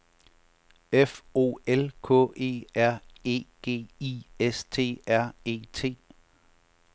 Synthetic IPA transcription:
efo̝̰ːelkʰɔ̰̽ːʔe̝̰ːæɐ̰e̝̰ːɡ̥e̝̰ːiest͡sʰe̝̰ːæɐ̰e̝̰ːt͡sʰe̝̰ː

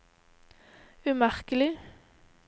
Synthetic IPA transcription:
ʉmæʁkəlɪ

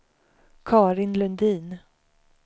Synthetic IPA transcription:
kʰɑːɾɪnlɵnd̪iːn

